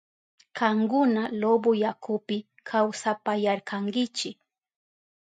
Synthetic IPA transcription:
kaŋɡʊnalobojakʰʊpɪ | kʰawsapajaɾkaŋɡɪt͡ʃɪk

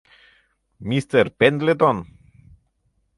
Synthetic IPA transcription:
mist̪erpend̪let̪on

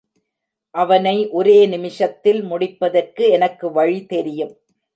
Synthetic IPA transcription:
ʔɐʋɐnɐɪʔɔɾeːnɪmɪʂɐt̪ːɪlmʊɽɪpːɐðɐrkɯɛnɐkːɯʋɐɻit̪ɛɾɪjɯm

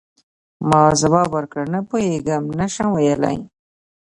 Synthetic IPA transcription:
mɑːzawɑːbaɾkɽanapoheɡamnaʃãwajala̰j

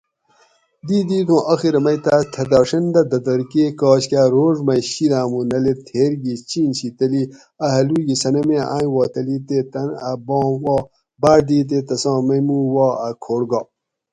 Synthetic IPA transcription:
d̪iːd̪iːt̪ʰõːʔɐxiɾɐmɐjt̪at̪ʰɐd̪aːʂɐnd̪ɐd̪ɐd̪ɐɾkeːkaːɕkaːɾoːʐmɐɕiɾãːmunɐlet̪ʰeːɾɡit͡ɕiːnɕit̪ɐli | ɐɦɐluːɡisɐnɐmeːʔã̰ːwɑːt̪ɐlit̪et̪ɐnɐbɑ̃ːwɑː | baːɾd̪iːt̪̬eːt̪ɐsɑ̃ːmɐjmũwaːɐkʰoːɾɡɑː

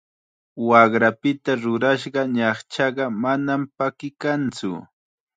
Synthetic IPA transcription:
wɑχɾapɪt̪aɾʊɾaʃɢɑɲɑχt͡ʃɑɢɑmanampakɪkant͡sʊ̰

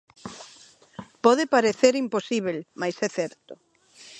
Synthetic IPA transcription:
pɔðepaɾeθeɾimposiβ̞elmajsɛθɛɾt̪o

